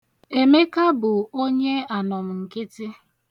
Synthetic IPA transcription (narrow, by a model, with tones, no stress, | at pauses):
e˨me˦ka˦bʊ˨o˦ɲe˦a˨nɔ˨m̩˨ŋ̩˨kɪ˦tɪ˦